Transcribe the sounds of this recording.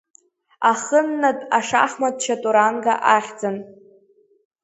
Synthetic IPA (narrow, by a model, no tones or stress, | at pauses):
aχənːatʼaʂa̰χmad̚ʰt͡ʃʰatʼuɾanɡaʔaχʲd͡zan